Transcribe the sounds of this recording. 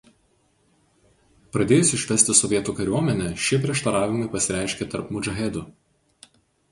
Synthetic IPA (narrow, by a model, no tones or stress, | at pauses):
pɾɐd̪ʲeːjʊsʲɪʃʲʋʲɛsʲt̪ʲɪsɔʋʲiɛt̪uːkɐɾʲuɔmʲɛnʲɛʃʲiɛpʲɾʲiɛʃt̪ɐɾɑːʋʲɪmɐɪpɐsʲɪɾʲæˑɪʃʲkʲet̪ɐɾpmʊd͡ʒɐɣʲɛd̪ʊ